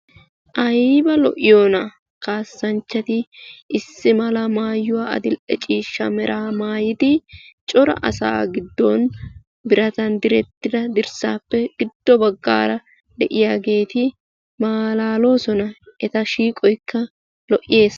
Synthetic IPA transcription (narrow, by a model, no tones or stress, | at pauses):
ʔɐjbɐlɔ̰ʔɪjoːnɐ | kaːsːɐnt͡ʃːɐt̪ɪɪsːɪmɐlɐmaːjːʊwaːɐ̰d̪ɪlʔɛt͡ʃʼiːʃːɐmɛɾʔaːmaːjɪd̪ɪt͡ʃʼɔɾɐ̰ʔɐ̰sa̰ːɡɪd̪ːɔn | bɪɾɐt̪ɐnd̪ɪɾɛt̪ːɪd̪ɐd̪ɪɾsa̰ːpːɛɡ̥ɪd̪̥ːɔbɐɡːa̰ːɾɐ | d̪ɛʔɪjaːɡe̞ːt̪ɪ | maːlaːlo̞ːsɔnɐɛt̪ɐʃiːkʼɔjkʰːɐ | lɔʔɪje̞ːs